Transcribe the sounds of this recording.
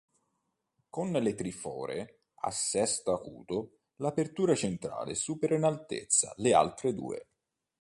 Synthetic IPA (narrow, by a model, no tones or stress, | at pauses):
konlet̪ɾifɔːɾe | a̰sːɛst̪akṵːt̪o | lapert̪uːɾat͡ʃent̪ɾa̰ːlḛsuːpeɾainalt̪ḛt̪sːa̰lea̰lt̪ɾed̪ṵːḛ